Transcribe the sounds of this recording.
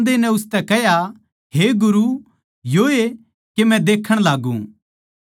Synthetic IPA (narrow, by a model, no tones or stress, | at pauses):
d̪enɛ̃ʊst̪ɛkɛɦja | ɦeɡʊɾu | joe | kemɛ̃d̪eːkʰəɽ̃laːɡũ